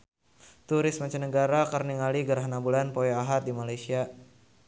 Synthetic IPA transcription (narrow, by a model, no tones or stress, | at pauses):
t̪uɾɪsmat͡ʃanəɡaɾakərniŋaliɡəɾɦanabulanpojaaɦat̪̚dimalajsia